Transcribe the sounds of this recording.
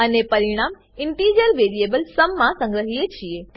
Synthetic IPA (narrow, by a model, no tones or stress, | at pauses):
ənepəɾiɽ̃am | ɪɳʈiːd͡ʒəɾʋeːɾiebəlsəmːãsə̃ŋɡɾəɦiet͡ʃʰie